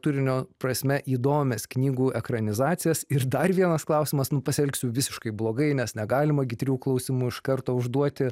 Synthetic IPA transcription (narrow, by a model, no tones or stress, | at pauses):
t̪ʊɾʲɪnʲoːpɾɐsʲmʲɛʔiːd̪oːmʲɛsknʲiːɡuːʔɛkɾɐnʲɪzɑːt̪sʲɪjɛsɪrd̪ɐrʋʲiɛnɐsklˠɑʊsʲɪmɐsnʊpɐsʲɛlʲksʲʊʋʲɪsʲɪʃkɐɪblˠoːɡɐɪnʲɛsnʲɛɡɑːlʲɪmɐɡʲɪt̪ʲɾʲiuklˠɐʊsʲɪmuːɪʃkɐrt̪oːʊʒd̪uɔt̪ʲɪ